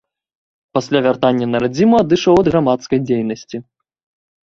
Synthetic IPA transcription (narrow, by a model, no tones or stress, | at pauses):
pasʲlʲavʲart̪anʲːɐnɐɾad͡zʲimuad̪ɨʂɐwɐd̪ɣɾamat̪skɐjd͡zʲejnɐsʲt͡sʲi